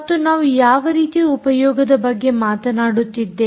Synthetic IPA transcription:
ɐt̪ːunaːʋujaːʋɐɾiːt̪iupɐjɔːɡɐd̪ɐbɐɡːe̞maːt̪ɐnaːɽut̪ːid̪ːe

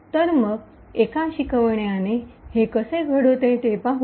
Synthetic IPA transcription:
t̪əɾməɡ | ekaɕikəʋɳjanehekəsẽɡʱəɽot̪ẽt̪epaɦ

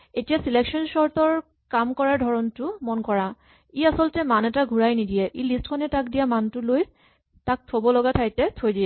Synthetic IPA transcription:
etijasilekʃɔnʃɔɹt̪ɔɹ | kamkɔɹaɹdʱɔɹɔntumɔnkɔɹa | iasɔltɛmanɛtaɡʱuɹajnidijɛʔilistkʰɔnɛtakdijamantuloj | tak̚t̪ʰobɔlɔɡatʰajtɛt̪ʰojdiɛ

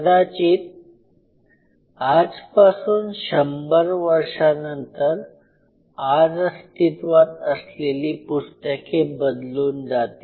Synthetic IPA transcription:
d̪at͡ɕiːt̪ | ad͡zpasuːnɕəmbəɾʋəɾʂanənt̪əɾ | aɾst̪ʰit̪ʋat̪əsleliːpust̪əkʰebəd̪luːnd͡zat̪i

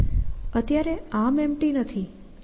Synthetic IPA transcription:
ət̪jaɾeãmɛmʈinət̪ʰi

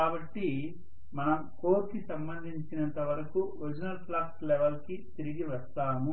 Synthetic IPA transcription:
kaːbɐʈːi | mɐnɐmkoːɾkisɐmbɐnd̪ʱiɲt͡ʃinɐnt̪ɐʋɐɾɐkuʋiɾd͡ʒɐnɐlplaːkslɛʋɐlkit̪iɾiɡiʋɐst̪aːmu

